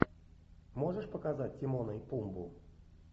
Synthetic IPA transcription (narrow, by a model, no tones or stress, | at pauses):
moʐəʂpəkazat̚ʲtʲemonəpumbu